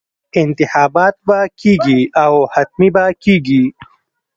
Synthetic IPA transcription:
ɪnt̪ɪxaːbaːt̪̚bakiːɡiawhɐt̪̚mibakiːɡi

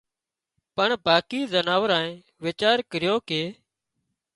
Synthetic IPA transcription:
pəɳbaːkiːzənaːʋəɾãːẽː | ʋeːt͡ʃaːɾkəɾɪjoːkeː

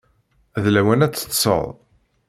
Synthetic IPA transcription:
æðlæwænæt͡sːə̥t̪ːsˤə̰ðˤ

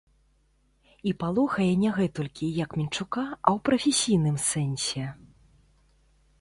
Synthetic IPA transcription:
ipalˠuxɐjɛnʲɛɣɛt̪ɔlʲkʲijɐkmʲint͡ʂukaɐwpɾɐfʲesʲijn̪ɨmsɛnʲsʲɛ

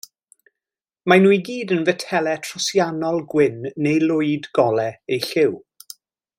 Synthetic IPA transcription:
manuːjɡiːdənvɛtʰɛlɛtʰrɔsjanɔlˠɡwɪnːejlˠʊɨdɡɔlɛejɬɪw

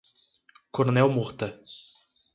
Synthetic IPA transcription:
koɾnɛwmuχt̪ɐ

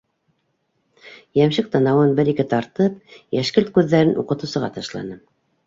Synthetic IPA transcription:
jæmʃɘk̚t̪ɑ̆nɑwɤnbɘɾikɘt̪ɑɾt̪ɤp̚jæʃkɘlt̪̚kʉðːæɾɘnṵqɤ̆t̪ɤ̆sɤ̆ʁɑ̰t̪ɑʃlˠɑ̰nɤ

